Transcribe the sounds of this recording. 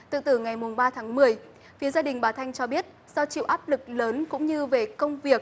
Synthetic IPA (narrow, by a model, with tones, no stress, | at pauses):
t̪ɨ̰˧˨t̪ɨ˧˩ŋa˨˩jmʊ˨˩ŋ͡mɓaː˧t̪ʰaː˨˦ŋmɨ˨˩əj | fi˨˦əzaː˧ɗï˨˩ŋ̟ɓaː˨˩wt̪ʰa˧jŋt͡ɕɔ˧ɓi˦˥ət̚ | z̥ɔ˧t͡ɕḭ˧˨wʔaː˦˥p̚lɨ˨˩k̚ləː˨˦nkʊ̰˧˥ŋ͡mɲɨ˧ve˨˩kə˧wŋ͡mvi˨˩ək̚